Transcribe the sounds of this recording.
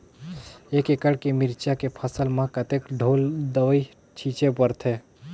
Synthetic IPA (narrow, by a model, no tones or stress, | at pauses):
eːkekəɽkemɪɾt͡ʃakepʰəsəlmãkət̪ekɖʱoːld̪əʋəi | t͡ʃʰiːt͡ʃepəɾt̪ʰeː